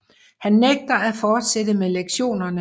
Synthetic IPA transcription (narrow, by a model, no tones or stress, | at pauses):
hænːeɡ̥̚d̥ɐæfɒːd̥sed̥əmeleɡ̥ɕo̝̰ːnɐnə